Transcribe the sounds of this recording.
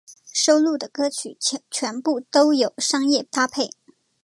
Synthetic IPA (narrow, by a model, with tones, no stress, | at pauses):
ʂo˥ʊlu˥˩d̪ə˩kɤ˥t͡ɕʰy˨˩t͡ɕʰɥɛ˧˥npu˥˩t̪o˥ʊjo˨˩ʊʂɑ˥ŋjɛ˥˩t̪ʰa˥pʰe˥˩ɪ